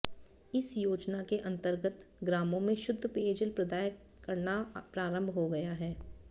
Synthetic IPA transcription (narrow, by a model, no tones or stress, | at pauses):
ɪsjoːd͡ʒnakeʔɐ̃nt̪əɾɡət̪ɡɾaːmõmẽʃʊd̪ʱːəpeːd͡ʒəlpɾɐd̪aːj | kɐɾnapɾaːɾə̃mbʱɦoɡɐjaɦɛː